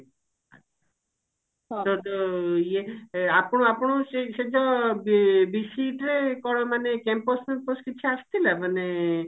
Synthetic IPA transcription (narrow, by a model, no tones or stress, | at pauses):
a | t̪ɔt̪ɔjeapɽ̃õapɽ̃ũsesed͡ʒɔbbisiʈɾekɔɽɔmanekɛmposmenposkit͡ʃʰiast̪ʰilamane